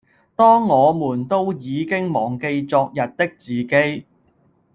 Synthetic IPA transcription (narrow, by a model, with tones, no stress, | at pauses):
t̪ɔː˥ŋːɔː˨˧muː˨˩nt̪o˥wjiː˨˧kɪ˥ŋmɔː˨˩ŋke˧jt͡sɔː˧k̚jɐ˨t̚t̪ɪ˥k̚t͡siː˨ke˥j